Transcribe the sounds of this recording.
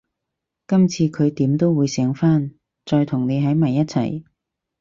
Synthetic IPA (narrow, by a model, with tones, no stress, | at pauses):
kɐ˥mt͡sʰiː˧kʰɵ˨˧ɥt̪iː˨˥mt̪o˥wwuː˨˧jsɛː˨˥ŋfaː˥n | t͡sɔː˧jt̪ʰʊ˨˩ŋne˨˧jɦɐ˨˥jmaː˨˩jɐ˥t̚t͡sʰɐ̰˨˩j